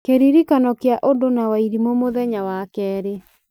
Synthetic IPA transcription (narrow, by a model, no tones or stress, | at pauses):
keɾiɾikanɔkjaʔondonawaiɾimomoðɛɲawakɛːɾe